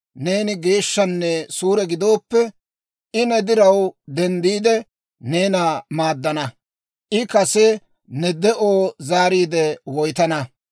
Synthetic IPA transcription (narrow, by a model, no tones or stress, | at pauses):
ne̞ːnɪɡe̞ːʃːɐnːɛsuːɾɛɡɪd̪o̞ːpːɛ | ʔɪnɛd̪ɪɾɐwd̪ɛnd̪iːd̪ɛ | ne̞ːnaːmaːd̪ːɐnɐ | ʔɪkɐsɛ | nɛd̪ɛʔoːzaːɾiːd̪ɛwɔjt̪ɐnɐ